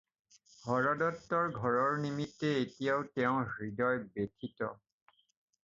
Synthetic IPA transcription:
hɔɹɔdɔtːɔɹɡʱɔɹɔɹnimitːeetijatɛʊ̃ɦɹidɔjbetʰitɔ̰

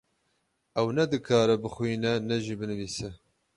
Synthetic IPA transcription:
ʔɛwnɛd̪ɨkʰɑːɾɐbɨxʷʊiːnɛnɛʒiːbɨnɨviːsɛ

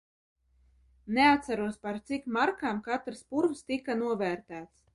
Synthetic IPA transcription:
neat̪saɾuɔspaɾt̪sikmaɾkaːmkat̪ɾɨspuɾvst̪ikanuɔvæːɾt̪æːt̪s

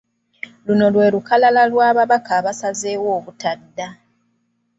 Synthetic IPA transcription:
luno̞lwe̞ːlukalalalwaːβaβakʰaːβasaze̞ːwo̞ːβutadːa

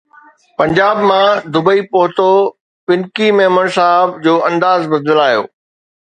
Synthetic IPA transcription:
pɐ̃ɲd͡ʑaːbmãd̪ʊbəipoɦʊt̪o | pɪnkimeːməɽ̃saɦəbd͡ʑoːʔɐ̃nd̪aːzbɐd̪ɪlaːjo̰ː

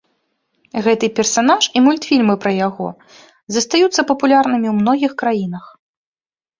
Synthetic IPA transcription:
ɣɛt̪ɨpʲɛrsanaʂimulʲt̪fʲilʲmɨpɾɐjaɣɔ̰ | zɐst̪ajut̪sːɐpɐpulʲarnɨmʲiwmn̪ɔɣʲixkɾajin̪ɐx

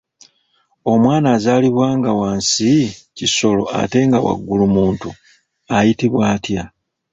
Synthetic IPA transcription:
o̞mwaːnazaːliβwaːŋɡawaːnsiciso̞lo̞̰a̰te̞ŋɡawa̰ɡːulumuːntu | ajitiβwaːtja

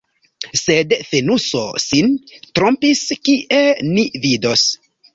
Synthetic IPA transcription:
sedfenuso̰sintɾompiskiʔenivido̞s

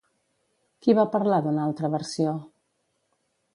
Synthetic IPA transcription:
kiβapəɾlaðunalˠt̪ɾəβəɾsio

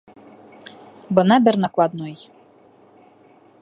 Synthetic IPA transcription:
bɤ̆nɑbʲɛrnɑklˠɑd̪̚noj

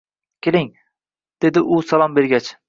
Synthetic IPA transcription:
kʲelɪŋ | d̪̥e̞d̪ɪʔʊsalˠɒmbe̞ɾɡʲat͡ʃ

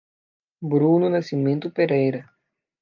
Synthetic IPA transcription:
bɾununɐsimẽnt̪ʊpeɾejɾɐ

